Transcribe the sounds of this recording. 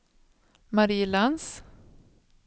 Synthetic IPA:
maɾiːlans

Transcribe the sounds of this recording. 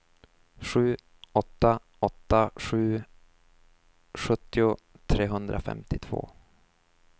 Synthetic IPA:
ɧʉ̟ː | ɔt̪ːa | ɔt̪ːaɧʉ̟ː | ɧɵt̪ːɪʊ | t̪ʰɾeːɦɵnd̪ɾafɛ̰mt̪ɪt̪ʰv̥o̰ː

